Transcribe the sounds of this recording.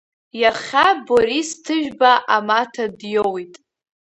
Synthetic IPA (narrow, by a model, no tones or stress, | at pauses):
jaχʲaboɾistʰɨʒᶣbaʔamatʰadjowitʼ